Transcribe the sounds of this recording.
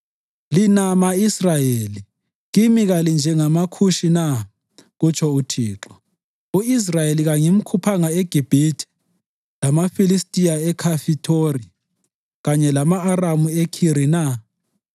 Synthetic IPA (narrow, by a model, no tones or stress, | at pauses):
linamaisrajeːli | ɣimiɣalind͡ʒʱɛŋamakʰuʃina | ɣut͡ʃʰʼɔutʰiːǁɔ | uis̬rajeliɣaŋim̩kʰupʰaŋaeɡ̥ʱib̥ʱitʰi̥ | lamafilistʼiaɛkʰafitʰori | ɣaɲɛlamaːramuekʰiɾina